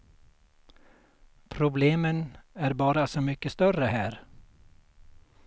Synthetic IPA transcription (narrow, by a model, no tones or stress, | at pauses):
pʰɾʊbleːmənæɾbɑːɾasɔmʏkːəst̪œrəhæːɾ